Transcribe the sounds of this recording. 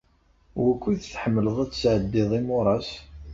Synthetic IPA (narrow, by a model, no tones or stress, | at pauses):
wækʷːiθθħəmːələðˤæt͡sːsʕəd̪ːɪðˤimʊɾˤɑs